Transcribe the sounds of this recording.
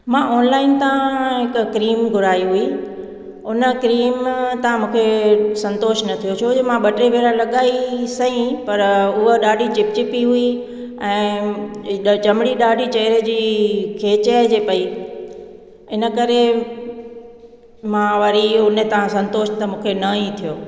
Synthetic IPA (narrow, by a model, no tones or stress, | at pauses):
mãʔoːnlaːɪnt̪aãɦɪkkɾiːmɡʱʊɾaːiɦʊi | ʊnə̆kɾiːmt̪ɐʋ̤ãmũːkʰesɐ̃nt̪oːʃnɐt̪ʰijot͡ɕʰoemãɓɐʈɾeʋeːɾalɐɠaːisɐĩpɐɾʊɦoɗaːɖʱit͡ɕɪp̚t͡ɕipiɦʊi | ɛ̃ː | t͡ɕɐmɪɽiɗaːɖʱit͡ɕɐːɪɾəd͡ʑiːkʰeːt͡ɕəd͡ʑeːpɐi | ɪnə̆kɐɾe | mãʋɐɾiʊnt̪ɐʋãsɐ̃nt̪oːʃt̪ɐmũːkʰenɐĩt̪ʰijoː